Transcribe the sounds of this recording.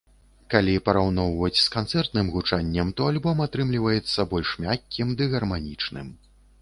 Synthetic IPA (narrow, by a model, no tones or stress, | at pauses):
kalʲipɐɾawnɔwvɐt͡sʲskant̪sɛrt̪nɨmɣut͡ʂanʲːɐmt̪ɔalʲbɔmat̪ɾɨmlʲivɐjɛt̪sːɐbɔlʲʂmʲakʲːimd̪ɨɣɐrmanʲit͡ʂnɨ̰m